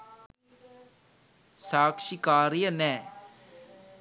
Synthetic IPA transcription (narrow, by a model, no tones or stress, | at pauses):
saːkʃikaːɾijənɛː